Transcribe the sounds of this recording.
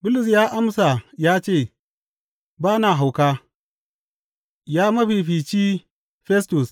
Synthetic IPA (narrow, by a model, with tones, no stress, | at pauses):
bʊ˦lʊ˨s̬jaː˦ʔa˦msa˨jaː˦t͡ʃeː˦˨ | baː˦naː˨ɦa˨wkaː˦ | jaː˦mɐ˦ɸi˨ɸiː˨t͡ʃiː˦ | ɸɛ˦stu˨s